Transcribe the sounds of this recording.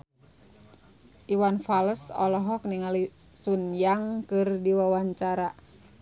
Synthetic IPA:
ʔiwanfaləsɔlɔɦɔk̚niŋali | sunjaŋkɨrdiwawaɲt͡ʃaɾa

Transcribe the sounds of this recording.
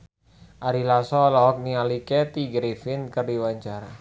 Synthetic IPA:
ʔaɾilasɔlɔɦɔk̚nialikɛt̪iɡɾefɪnkɨrdiwaɲt͡ʃaɾa

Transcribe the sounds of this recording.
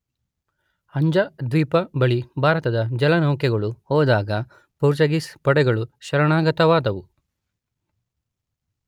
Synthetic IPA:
ɐɲd͡ʒɐd̪ʋiːpɐbɐɭibʱaːɾɐt̪ɐd̪ɐd͡ʒɐlɐnɐwkɛɡɐɭuhɔːd̪aːɡɐ | puːɾt͡ʃɐɡispɐɽɛɡɐɭuʃɐɾɐɳaːɡɐt̪ɐʋaːd̪ɐʋu

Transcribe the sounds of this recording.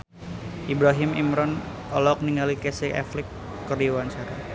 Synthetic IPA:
ʔibɾaɦɪmḭmɾɔn | ɔlɔk̚niŋɡalikɛsɪkɛ̰flɪkː | əɾiwansaɾa̰

